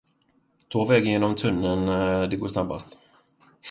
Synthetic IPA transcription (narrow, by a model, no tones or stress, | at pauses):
t̪ʰoːvɛɡənjeːnɔmt̪ʰɵnːənd̪ɛɡoːʂnabːa̰st̪